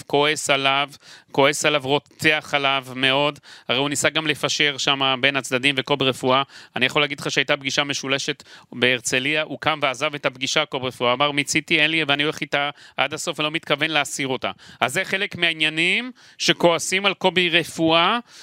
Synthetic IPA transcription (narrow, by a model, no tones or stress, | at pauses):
ko̞e̞salavko̞e̞salavʁo̞t͡st͡seaχalavme̞o̞dhaʁeunisaɡamle̞faʃe̞ʁʃamabe̞nat͡sd̪ad̪imve̞ko̞biʁefuaanijaχolːeaːɡid̪leχaʃeajtabɡiʃame̞ʃule̞ʃe̞tbeːʁt͡se̞liaʔukamveazavetabɡiʃakobʁefuamaʁmit͡sitienlieveanioleχitaʔa̰daso̞felo̞mit̪kave̞nleasiʁo̞ta̰azːeχe̞le̞kmeainjanim | ʃe̞ko̞asimalko̞biʁe̞fua